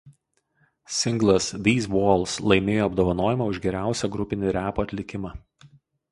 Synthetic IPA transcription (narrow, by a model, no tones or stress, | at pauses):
sʲɪŋɡlˠɐsd̪ʲiːzʋoːlˠˑslˠɐɪmʲeːjoːɐbd̪oːʋɐnoːjɪmɑʊʒɡʲɛɾʲæˑʊsʲɛɡɾʊpʲɪnʲɪɾʲæːpoːɐt̪ʲlʲɪkʲɪmɑː